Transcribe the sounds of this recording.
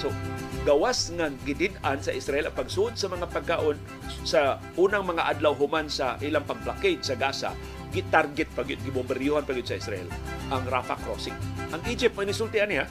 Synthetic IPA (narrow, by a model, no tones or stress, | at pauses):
soɡɐwasŋaɡɪd̪ɪd̪ansɐʔɪsɾaʔɛlʔɐŋpaɡsʊʔod̪̚sɐmɐŋapaɡ̚kaʔon | sa | ʔuːnaŋmɐŋaʔad̪lawɦʊmansaʔilaŋpɐɡ̚plaked͡ʒsɐɡaːsa̰ | ɡɪt̪aɾɡɛt̪̚paɡʊd̪̚ɡɪbʊbɪɾjuhanpaɡɪd̪sɐʔɪsɾaʔɛ̰lʔaŋɾafa̰kɾosɪk̚ʔɐŋʔid͡ʒɪp̚t̪manɪsʊlt̪ɪanɪha